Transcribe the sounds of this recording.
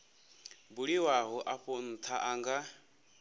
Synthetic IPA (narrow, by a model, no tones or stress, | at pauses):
buɺiwaɦɔʔaɸon̩t̪ʰaʔaŋɡa